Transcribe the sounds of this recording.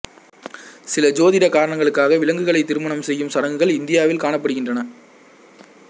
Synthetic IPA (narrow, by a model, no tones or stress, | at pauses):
sɪlɐd͡ʒoːðɪɾɐkaːɾɐɳɐŋɡɐɭɯkːaːɣɐʋɪlɐŋɡɯɣɐɭɐɪt̪ːɪɾɯmɐɳɐmsɛjːɯmsɐɽɐŋɡɯɣɐɭɪnd̪ɪjaːʋɪlkaːɳɐpːɐɽɯɣɪndrɐnɐ